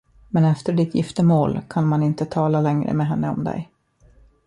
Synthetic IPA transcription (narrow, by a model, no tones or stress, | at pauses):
mɛnɛft̪əɖɪt̪jɪft̪əmoːlkʰanmanɪnt̪ət̪ʰɑːlalɛŋɾə̰mɛɦɛnːəɔ̰md̪ɛ̰j